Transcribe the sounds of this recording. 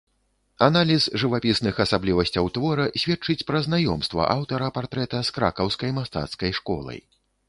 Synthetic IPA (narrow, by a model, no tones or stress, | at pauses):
analʲizʐɨvapʲisnɨxɐsablʲivɐsʲt͡sʲɐwt̪vɔɾɐsʲvʲɛt̚t͡ʂɨt͡sʲpɾɐznajɔmst̪vɐ̰ʔawt̪ɐɾɐpart̪ɾɛt̪ɐskɾa̰kɐwskɐjmast̪a̰t̪skɐjʂkɔ̰lˠɐ̰j